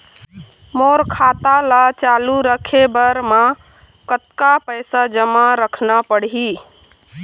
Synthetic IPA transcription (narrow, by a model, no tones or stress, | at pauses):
moɾkʰat̪alat͡ʃaluɾəkʰebəɾmã | kət̪kapəjsad͡ʒəmaɾəkʰnapəɽɦi